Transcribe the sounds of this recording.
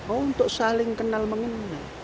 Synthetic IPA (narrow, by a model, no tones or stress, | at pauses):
ount̪oʔsaliŋkənːalməŋənːa